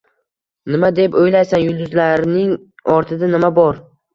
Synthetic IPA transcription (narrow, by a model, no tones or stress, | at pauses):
nɪmad̪e̞pojlajsanjʊlˠd̪ʊzlaɾnɪŋ | ɒɾt̪ʰɪd̪anɪmabɒɾ